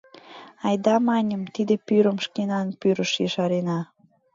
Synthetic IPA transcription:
ɑjd̪ɑmɑnʲəmt̪id̪epyɾəmʃkenɑnpyɾəʃjəʃɑɾenɑ

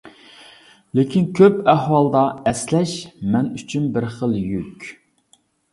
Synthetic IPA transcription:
lekʲʰinkʲʰøpæhwɑlˠd̪ɑɛslɛʃmɛnyt͡ʃʰynbɪɾχəlˠjykʲ

